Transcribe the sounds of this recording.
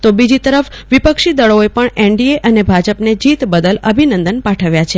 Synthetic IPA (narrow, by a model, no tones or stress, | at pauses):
t̪obid͡ʒit̪əɾəfʋipəkʃid̪əɭoepəɳeɳɖieʔənebʱad͡ʒəpned͡ʒit̪bəd̪ələbʱinənd̪ənpãʈʰəʋjat͡ʃʰe